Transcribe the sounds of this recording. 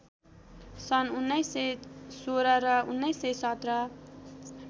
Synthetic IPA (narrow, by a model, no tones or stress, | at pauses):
sʌnunːʌjsesoɾʌɾʌunːʌjsesʌt̪rʌ